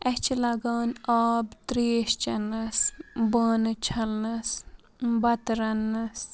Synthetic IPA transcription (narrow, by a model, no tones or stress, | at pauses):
ɐht͡ʃʰilɐɡaːnaːbt̪ɾeːʃt͡ʃɐnɐsbəːnɨt͡ʃʰɐlnɐs | bɐt̪ɾɐnːɐs